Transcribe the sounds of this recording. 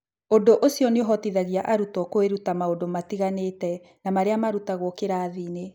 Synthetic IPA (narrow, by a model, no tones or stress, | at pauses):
ondoʔosiɔneoɦɔtiðaɣiaʔaɾutɔkoeɾutamaondomatiɣanetɛ | namaɾeamaɾutaɣwɔkeɾaːðine